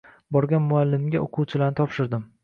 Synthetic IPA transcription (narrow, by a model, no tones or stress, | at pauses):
bɒɾɡʲanmʊalːɪmɡʲa̰ʔoqʰuwt͡ʃʰɪlanɪt̪ʰɒpʃɪɾd̪ɪm